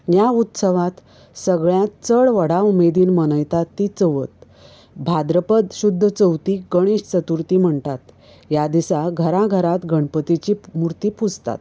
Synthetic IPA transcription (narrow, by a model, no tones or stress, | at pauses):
jaut̪səʋãt̪ | səɡɭjãt̪t͡səɭʋəɽ̤aumed̪iːnmənəjt̪at̪ːit͡səʋət̪ | bʱad̪ɾəpəd̪ɕud̪ʱːət͡səwt̪iːɡəɽ̃eɕt͡sət̪uɾt̪iːm̤əɳt̪at̪ | jad̪isaɡʱəɾaɡʱəɾat̪ɡʱəɳpət̪it͡ɕiːmuɾt̪iːpʰud͡zt̪a̰t̪